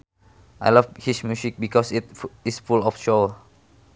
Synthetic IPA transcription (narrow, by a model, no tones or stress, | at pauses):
ʔa̰jlʌfhismjusik̚bikɔsitisfulɔfʃo